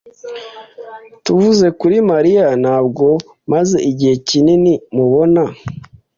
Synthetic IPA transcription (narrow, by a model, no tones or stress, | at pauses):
tuvuze̞kuɾimaɾijanaːbɡo̞ | maze̞ʔiɟihe̞cininimuβo̞na